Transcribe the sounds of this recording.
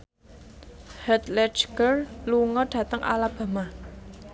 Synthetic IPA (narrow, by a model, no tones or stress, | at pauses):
hət̪lɛt͡ʃɡərluŋɔɖ̥a̤t̪aŋʔa̰lab̥a̤ma